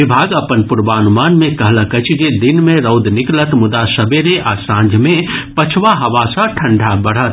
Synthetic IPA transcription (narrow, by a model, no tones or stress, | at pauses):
ɪbʱaːɡəpənpʊɾbaːnumaːnmẽkɐɦləkət͡ʃʰd͡ʒed̪ɪnmẽɾəʊd̪nɪklət̪mʊd̪asəbeɾeʔasãːnd͡ʒʱmẽpɐt͡ʃʰʋaɦɐʋasə̃ʈʰə̃ɳɖʱabəɽ̤ət̪